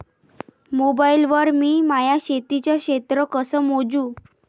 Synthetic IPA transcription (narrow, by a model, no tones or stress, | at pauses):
mobailʋəɾmiːmajaɕet̪it͡ɕjaɕet̪ɾəkəsəmod͡zũː